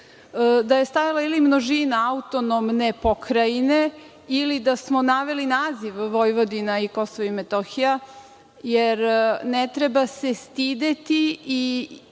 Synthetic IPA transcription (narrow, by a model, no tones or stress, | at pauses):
d̪ajest̪ajalˠailimnoʒinaaut̪ono̞mnepokɾaine̞ | ilid̪asmonaʋe̞linaːziʋːojʋo̞d̪inaiko̞soʋimet̪oxija | jeɾnet̪ɾe̞base̞st̪id̪e̞t̪ii